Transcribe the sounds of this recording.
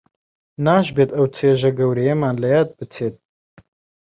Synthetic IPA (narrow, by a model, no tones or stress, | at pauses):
naːʒbeːt̪ɐwt͡sʰeːʒɐɡɐwɾɛjemaːnlɐjaːt̪̚bɨt͡sʰeːt̪̚